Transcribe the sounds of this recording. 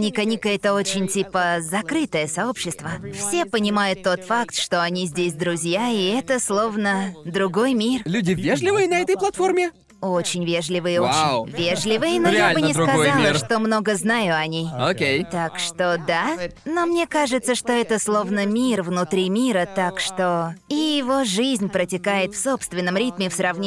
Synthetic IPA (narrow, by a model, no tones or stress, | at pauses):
nʲikɐnʲikəɛt̪əo̞t͡ɕɪnʲtʲipəzɐkɾɨt̪əjəsɐo̞pɕːɪst̪vəfsʲe̞pənʲɪmajʊt̪ːo̞t̪fakt̪ʂt̪o̞ɐnʲizʲdʲes̬ʲd̪ɾʊzʲjaiɛt̪əslˠo̞vnəd̪ɾʊɡo̞jmʲirlʲudʲɪvʲeʐlʲɪvɨjɪnɐɛt̪əjplˠɐt̪formʲɪ | ot͡ɕɪnʲvʲe̞ʐlʲɪvɨjɪoɪvʲeʐlʲɪvɨɪnojaalbɨnnʲɪkazalˠəɾʂt̪o̞mno̞ɡəznajʊɐnʲejokʲejt̪akʂt̪o̞d̪ano̞mnʲe̞kaʐɨt̪səʂt̪o̞ɛt̪əslˠo̞vnəmʲirvnʊt̪ɾʲimʲiɾət̪akʂt̪o̞ijɪvoʐɨzʲnʲpɾətʲɪkajɪt̪fso̞pst̪vʲɪnːəmɾʲit̪mʲɪfsɾɐvnʲ